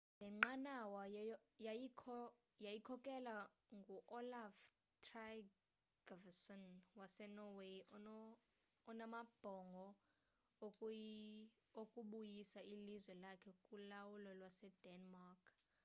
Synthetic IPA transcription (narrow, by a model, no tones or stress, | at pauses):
lɛŋ͡ǃanawajaikʰɔ | jajikʰɔkʼɛla | ŋɡʱuʔɔlaf | tʰra | ɡ̥ɔvsɔnwasɛnɔweɔː | namab̥ʱɔŋɡʱɔ | okʼuɓujisailizwɛlakʰɛkʼulawulɔlwasɛd̥ɛnmarkʰ